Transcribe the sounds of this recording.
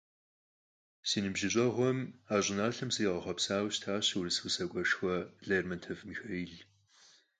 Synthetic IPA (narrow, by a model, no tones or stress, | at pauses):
siːnɨbʒɪɕʼɐʁʷɔmaːɕʼɪnaːɬɐmsɨʁɐχʷɐpsaːwɕtʰaːɕwrisusɐkʷʼɔʂxʷɔɮejrmɐntʰɐvmiːxɐjɪɮ